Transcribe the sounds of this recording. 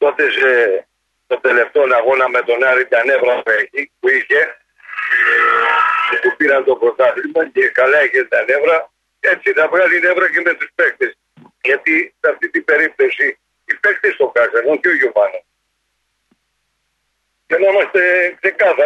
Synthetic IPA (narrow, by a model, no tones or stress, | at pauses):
t̪o̞t̪e̞se | t̪ot̪ele̞ft̪o̞nɐɣonɐme̞t̪o̞nɐɾit̪ɐne̞vɾɐp̪ueçipuiçe̞ | sepupiɾɐnt̪o̞pɾo̞t̪ɐθlimɐcekɐlɐiçet̪ɐne̞vɾɐ | e̞t͡sit̪ɐvɣɐline̞vɾɐceme̞t̪uspe̞kt̪es | ʝɐt̪isɐft̪it̪ibe̞ɾip̚t̪o̞siː | pe̞kt̪est̪okɐsɐɾonceoʝuvɐnos | cenɐimɐst̪e̞kse̞kɐθɐ